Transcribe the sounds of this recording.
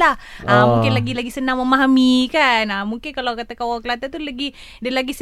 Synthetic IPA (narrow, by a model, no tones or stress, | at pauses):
lahʔamuŋkɪnlaɡilaɡisənaŋməmaɦamikanamuŋkɪnkalokat̪akawaklat̪at̪ulaɡi | dalaɡis